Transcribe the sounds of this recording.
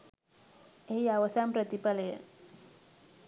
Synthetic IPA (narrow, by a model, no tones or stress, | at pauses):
eɦiaʋəsampɾət̪ipaləjə̰